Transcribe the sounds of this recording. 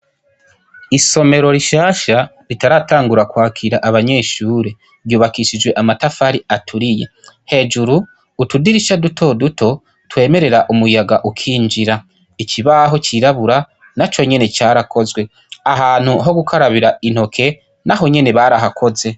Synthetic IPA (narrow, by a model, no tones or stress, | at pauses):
iso̞me̞ɾo̞ɾiʃaːʃa | ɾitaɾataːŋɡuɾakwaːkʰiɾaʔaβaɲe̞ːʃuːɾe̞ | juːβakiʃid͡ʒwe̞ʔamatafaɾiatʰuɾije̞̰ | he̞ːd͡ʒuɾuː | tudiɾiʃadutʰo̞dutʰo̞ | twe̞ːme̞ɾe̞ɾaʔumujaɡaʔukʰiːnd͡ʒiɾa | icʰiβaɦo̞t͡ʃiɾaβuɾa | nat͡ʃo̞ɲe̞net͡ʃaːɾakʰo̞zɡwe̞ | aɦaːn̥huɦo̞ɡukʰaɾaβiɾain̥ho̞kʰe̞ | naɦo̞ɲe̞ne̞βaɾaɦakʰo̞ze̞